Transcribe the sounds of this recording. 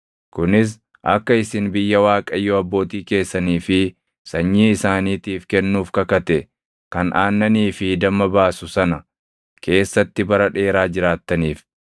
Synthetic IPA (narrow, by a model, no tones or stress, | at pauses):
kʊnɪs̬ | ʔɐ̰kːɐɪsɪnbɪjːɐwaːkʼɐjoːɐbːo̞ːt̪iːke̞ːsːɐniːfɪ | sɐɲːiːɪsaːniːt̪iːfkɛnːuːfkɐkɐt̪ɛ | kɐnʔaːnːɐniːfɪd̪ɐmːɐbaːsʊsɐnɐ | kʰe̞ːsːɐt̪ːɪbɐɾɐᶑe̞ːɾaːd͡ʒɪɾaːt̪ːɐniːf